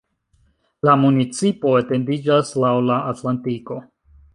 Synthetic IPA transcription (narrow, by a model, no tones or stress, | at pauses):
lamunit͡sipo̞ete̞ndid͡ʒaslawlaʔatlantiko̞